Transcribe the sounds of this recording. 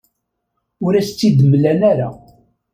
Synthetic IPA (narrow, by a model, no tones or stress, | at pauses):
ʊɾæst͡sːid̪əmːlænæɾa